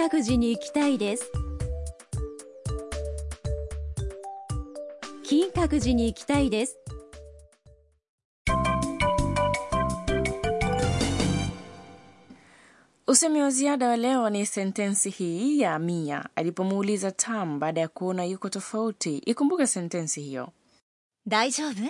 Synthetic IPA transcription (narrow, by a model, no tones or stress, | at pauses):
akɯ̟ʑiɲiːkʲi̥t̪aid̪es | kʲĩŋkakɯ̟ʑiɲiːkʲi̥t̪aid̪esɨ̥ | usɛmiwaziaɗawalɛɔnisɛntɛnsihijaːmia̰alipɔmuːlizatʰam̩baːɗajakuɔnajukɔtɔfautiʔikumbukasɛntɛnsihijɔ̰ | d̪aid͡ʑoːne